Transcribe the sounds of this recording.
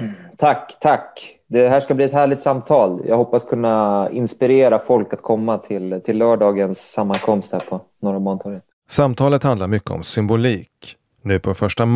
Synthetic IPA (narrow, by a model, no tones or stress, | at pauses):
t̪ʰakːt̪ʰak | d̪ɛɦæːʂkabliːɛt̪hæːɭɪt̪samt̪ʰɑːljʔɑ̰ɡhɔpːaskʰɵnːaɪnspɪɾeːɾafɔlkat̪̚kʰɔmːat̪ʰɪlt̪ʰɪlːœːɖɑːɡənsːamːankʰɔmst̪hæ̰ːɾpʰɔnoːɾamɔnt̪ʰɔɾən | samt̪ʰɑːlət̪hand̪laɾmʏkːə̰ɔ̰msʏmbʊliːk | nʉ̟ːpʰɔfœʂʈam